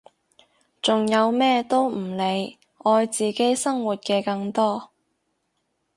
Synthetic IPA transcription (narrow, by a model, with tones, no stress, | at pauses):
t͡sʊ˨ŋjɐ˨˧wmɛː˥t̪o˥wm̩˨˩le˨˧j | ɔː˧jt͡siː˨˩ke˥jsɐ˥ŋwuː˨t̚kɛː˧kɐ˧ŋt̪ɔː˥